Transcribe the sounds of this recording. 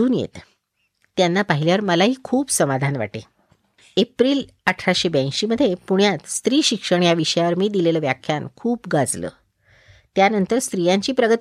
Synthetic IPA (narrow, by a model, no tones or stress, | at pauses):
uːnjḛt̪ː | janːapaɦiljaʋəɾməlaɦiːkʰuːbsəmad̪ʱanʋa̰ʈe | epɾiːl | əʈʰɾaɕebãɕiːməd̪ʱːjepuɳ̃jat̪st̪ɾiːɕikʂəɳjaʋiɕəjaʋəɾmiːd̪ileləːʋjakʰjankʰuːpɡad͡zlə̰ː | t̪janənt̪əɾst̪ɾijaɲt͡ɕiːpɾəɡət̪